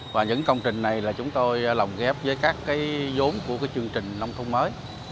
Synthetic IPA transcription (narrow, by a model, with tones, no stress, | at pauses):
vaː˨˩ɲɨ̰˧˥ŋkə˧wŋ͡mt͡ɕï˨˩ŋ̟na˨˩jlaː˨˩t͡ɕʊ˨˦ŋ͡mt̪o˧jla˨˩wŋ͡mɣɛ˦˥p̚vəː˨˦jkaː˦˥kːaː˨˦jzo˨˦mku˧˩əkaː˨˦jt͡ɕɨ˧əŋt͡ɕï˨˩ŋ̟na˧wŋ͡mt̪ʰʊ˧wŋ͡mməː˨˦j